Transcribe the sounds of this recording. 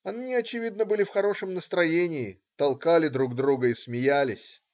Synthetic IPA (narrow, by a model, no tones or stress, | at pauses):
ɐnɨnʲɪɐt͡ɕɪvʲid̪nəbɨlʲɪfxɐɾo̞ʂɨmnəst̪ɾɐjenʲɪː | t̪ɐlˠkalʲɪd̪ɾuɡd̪ɾuɡəismʲɪjælʲɪsʲ